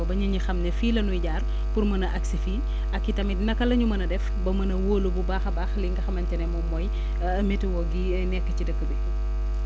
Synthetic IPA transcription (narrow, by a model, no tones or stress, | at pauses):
bɐɲɐɲixɐmnɛfiːlɐnujɟaːr | purmɐnɐʔɐksifi | ɐkːitɐmitnɐkːɐlɐɲumɐnɐdɛf | bɐmɐnɐwoːlububaːxɐbaːxliŋɡɐxɐmɐncɐnɛmɔmɔj | metiwɔɡi | nɛkːəcidəkːəbɛ